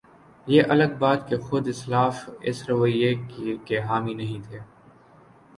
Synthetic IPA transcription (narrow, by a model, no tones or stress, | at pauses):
jeːʔɐləɡ̚baːt̪kexʊd̪ɪslaːfɪ̰sɾɐʋəjːekkeɦaːminɐɦĩt̪ʰeː